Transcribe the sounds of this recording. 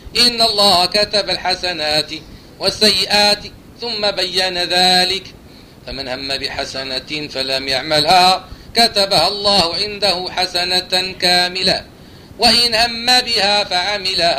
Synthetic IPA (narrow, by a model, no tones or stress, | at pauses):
ʔɪnːalˤːɑːhakat̪abalħasanaːt̪ɪ | wasːajːɪʔaːt̪ | θʊmːabajːanaðaːlɪk | famanhamːabɪħasanafalamjaʕmalhakat̪abahalˤːɑːhʊʕɪnd̪ahʊħasanakaːmɪla̰ | waʔɪnhamːabɪhaːfaʕamɪlaha